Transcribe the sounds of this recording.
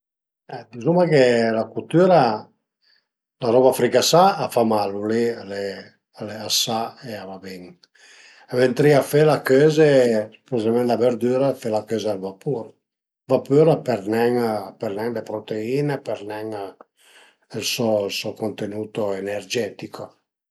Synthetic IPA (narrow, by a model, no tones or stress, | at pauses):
ɛd̪izumakelakut̪yːɾa | laɾɔβafɾikasaːfamaluliale | aleasaeavabiŋ | avent̪ɾiafelakøːzepuzamɛnd̪abeɾd̪yɾafelakøzaalvapuɾ | vapyɾapɛɾnɛŋpɛɾnɛŋlepɾot̪eiːnepɛɾnɛŋ | ilsɔlsɔkont̪enuːt̪oenɛrd͡ʒɛt̪iko